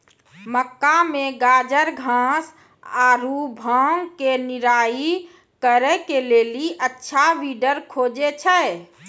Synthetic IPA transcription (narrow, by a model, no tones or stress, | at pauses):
məkːameɡaːd͡ʒəɾɡʱãs | aːɾubʱaːŋkenɪɾaːi | kəɾɛkeleːliʔətːʃʰaʋiɖəɾkʰoːd͡ʒet͡ʃʰə